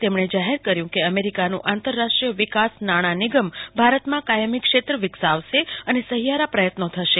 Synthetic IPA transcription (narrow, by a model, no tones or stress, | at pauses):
t̪emɳed͡ʒaɦeɾkəɾjũkeəmeɾikanṵ̃ʔãnt̪əɾːaʂʈɾijəʋikasnaɽ̃aniɡəmbʱaɾət̪mãkajəmikʃet̪ɾəʋɪksaʋʃeənesəɦijaɾapɾəjət̪not̪ʰəʃe